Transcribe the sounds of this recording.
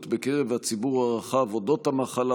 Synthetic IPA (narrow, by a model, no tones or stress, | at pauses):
t̪bekeʁevhat͡sibuʁaʁaχavodo̞t̪hamaχala